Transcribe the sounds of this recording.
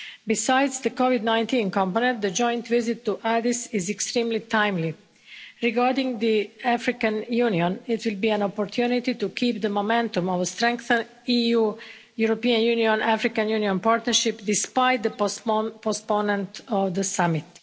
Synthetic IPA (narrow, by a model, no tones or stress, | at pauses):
bisajd̪zd̪əkɔʋid̪nãj̃nt̪ĩːnkɔ̃mponɛ̃nt̪d̪əd͡ʒɔ̃j̃nt̪ʋizɪt̪ːuʔad̪isɪzɛkst̪ɾĩːmlit̪ãjmli | ɾiɡaɾd̪ĩŋɡd̪iafɾikãnjuːniõnɪt̪ʋɪlˠbiːæ̃nopoɾt̪ʰjunit̪it̪ukʰiːpd̪əmomɛ̃nt̪ũmɔʋəst̪ɾɛ̃ŋkθə̃n | ijuː | juɾopiːãnjuniõnʔafɾikãnjuniõnpaɾt̪nəɾʃɪpd̪ispajt̪̚d̪əposponɛ̃nt̪ɔʋd̪əsamɪt̪